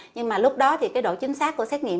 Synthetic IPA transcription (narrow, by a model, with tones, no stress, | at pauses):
ɲɨ˧ŋmaː˨˩lʊ˦˥k͡p̚ɗɔ˨˦t̪ʰi˨˩kaː˨˦jɗo̰˧˨t͡ɕï˨˦ŋ̟saː˦˥kːu˧˩əsɛ˦˥t̚ŋḭ˧˨ə